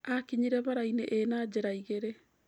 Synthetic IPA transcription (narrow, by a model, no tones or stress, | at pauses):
akiɲiɾɛβaɾaineʔenad͡ʑeɾaiɣeɾe